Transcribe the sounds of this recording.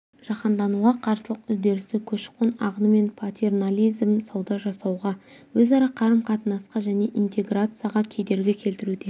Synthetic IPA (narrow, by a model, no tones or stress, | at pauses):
ʒ̥ɑqɑnd̪ɑnuʁɑqʰɑɾsəlˠəqʏzd̪e̞ɾɪst̪ɪkʲʰɵʃqonɑ̰ʁənəme̞npʰat̪ʲe̞rnalʲijzmsɑwd̪ɑʒɑsɑwʁɑ | wɵzɑɾɑqʰɑɾəmqʰɑt̪ənɑsqɑʒæne̞ʔint̪e̞ɡrat̪sɨjaʁɑkʲʰed̪e̞ɾɡʲɪkʲʰe̞lt̪ɪɾud̪e̞